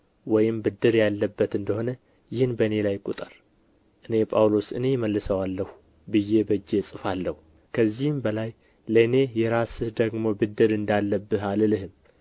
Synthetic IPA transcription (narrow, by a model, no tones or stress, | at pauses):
wɔjɪmbɨd̪ːɨɾjalːəbːət̪ɨnd̪əho̞nə | jɪhɨnbəne̞lajkʼut̪ʼəɾ | ʔɨne̞pʼawlo̞sɨ̰ne̞jməlːɨsəwalːəhu | bɨjːe̞bəd͡ʒːe̞sʼɨfalːəhu | kʰəzːihɨmbəlaj | ləne̞jɛɾasɨhd̪əɡmo̞bɨd̪ːɨɾɨnd̪alːəbːɨɦalɨlɨɦɨm